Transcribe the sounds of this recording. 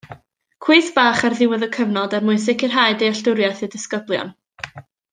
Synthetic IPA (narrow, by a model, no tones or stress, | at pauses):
kʰw̥iːθb̥aːχarðɪwəðəkʰəvnɔdarmʊɨsɪkʰɪrɦaːɨdeaɬtʊɾjaθidɪskəblˠjɔ̰n